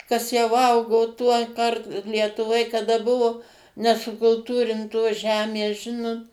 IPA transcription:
kɐs jɛʊ ˈɐʊɡoː ˈtuɔˌkɐrt lʲiɛtʊˈʋoːj kɐˈdɐ ˈbʊʋoː nʲɛsʊkʊlˠˈtuːrʲɪntoːs ˈʒʲæːmʲeːs ˈʒʲɪnoːt

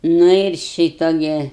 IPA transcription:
ˈnʊ ɪr ˈʃʲiːtoː ɡʲɪ

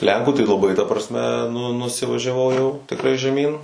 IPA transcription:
ˈlʲɛŋkuː tɐɪ lˠɐˈbɐɪ tɐ prɐsʲˈmʲɛ nʊ nʊsʲɪʋɐʒʲɛˈʋɐʊ jɛʊ tʲɪkˈrɐɪ ʒʲɛˈmʲiːn

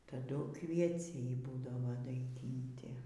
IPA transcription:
tɐˈdʊ kʋʲiɛˈt͡sʲɛɪ ˈbuːdɐʋoː dɐɪˈɡʲɪnʲtʲɪ

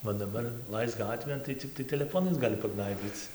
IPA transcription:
oː dɐˈbɐr ˈlˠɐɪsk ˈɡɑːtʲʋʲeːn tɐɪ ˈt͡sʲɪktɐɪ tʲɛlʲɛˈfoːnɐɪs ˈɡɑːlʲɪ pɐˈɡnɐɪbʲiːt͡s

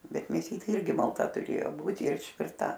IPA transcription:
ˈbʲɛt mʲeːˈsʲiːtʲeː ˈɪrʲɡʲɪ mɐlˠˈtɐ tʊˈrʲeːjoː ˈbuːtʲɪ ɪr ɪʃʲˈʋʲɪrtɐ

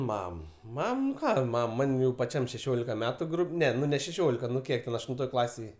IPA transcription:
ˈmɐm ˈmɐm nʊ ˈkɑː ˈmɐm ˈmɐnʲ jɛʊ pɐˈt͡ʃʲɛm ʃʲɛˈʃʲoːlʲɪkɐ ˈmʲæːtʊ ˈnʲɛ nʊ nʲɛ ʃʲɛˈʃʲoːlʲɪkɐ nʊ ˈkʲiɛk tʲɛn ɐʃtʊnˈtoːj ˈklˠɑːsʲeːj

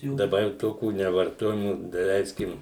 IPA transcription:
dɐˈbɐr jɛʊ ˈtoːkʲuː nʲɛʋɐrˈtoːjɛmuː dɐˈlʲɛɪsʲkʲɪm

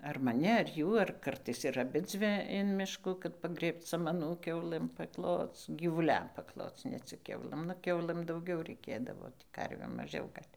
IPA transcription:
ɐr mɐˈnʲɪ ɐr ˈjuː ɐr ˈkɐrtɐɪs ɪr ɐˈbʲɪd͡zʲʋʲɪ ɪn ˈmʲɪʃkuː kɐt pɐˈɡrʲeːpt͡s sɐmɐˈnuː ˈkʲɛʊlˠɘm pɐkˈlˠoːt͡s ɡʲiːʋʊˈlʲɛm pɐkˈlˠoːt͡s nʲɛ ˈt͡sʲɪk ˈkʲɛʊlˠɘm nʊ ˈkʲɛʊlˠɘm dɐʊˈɡʲɛʊ rʲɛɪˈkʲeːdɐʋoː ˈtʲiː ˈkɐrʲʋʲeːm mɐˈʒʲɛʊ ˈɡɐlʲ

